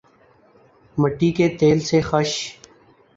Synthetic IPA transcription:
məʈːiːkeːt̪eːlsexəʃ

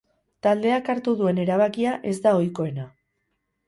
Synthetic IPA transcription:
t̪ald̪e̞akaɾt̪uðue̞ne̞ɾaβ̞akiaʔe̞zd̪ao̞jko̞e̞na

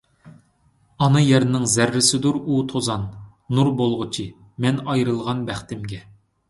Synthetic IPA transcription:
ɑnɨjɛɾnɪŋzæɾːɪsɪd̪uɾut̪ʰozɑnː | uɾbolˠʁʊt͡ʃʰi | mɛnɑjɾɨlˠʁɑnbæχt̪ɪmɡʲɛ

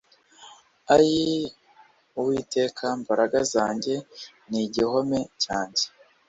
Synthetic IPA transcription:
aji | uwiːte̞kʰambaɾaɡazaːɲɟe̞ | niɟiho̞me̞caːɲɟe̥

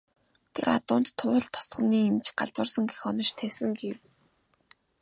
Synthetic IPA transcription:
t̪ʰḛɾʔa̰t̪ʊːnt̪ʰːʊːə̆ɮt̪ʰːɔ̥sχ̆niːemt͡ɕɢa̰ɮt͡swə̆rsɞ̆ŋɡexɔnɞ̆t͡ɕt̪ʰæwsɘ̆ŋɡew

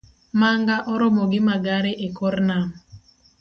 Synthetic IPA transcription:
maŋɡaʔɔɾɔmoɡɪmaɡaɾeʔekɔrnam

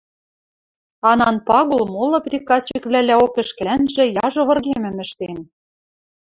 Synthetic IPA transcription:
ɑnɑnpɑɣolmolˠɤ̆prʲikɑst͡ɕĭkβlʲælʲæokɘ̆ʃkɘ̆lænʒɘ̆jɑʒɤ̆βɤ̆rɣemɘ̆mɘ̆ʃt̪en

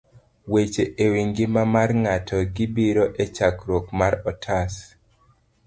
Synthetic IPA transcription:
wet͡ʃeʔewiŋɡɪmamarŋatʰɔɡibiɾoʔet͡ʃakɾokmaɾɔtʰas

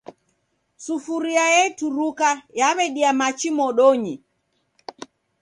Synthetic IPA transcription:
sufuɾiajɛtuɾukajaβɛɗiamat͡ʃimɔɗɔɲi

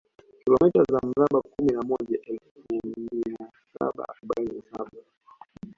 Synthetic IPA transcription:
kilɔmitazam̩ɾaɓakuminamɔʄaʔɛlfmiia | sa̰ɓa̰a̰ɾuɓaininasa̰ɓa

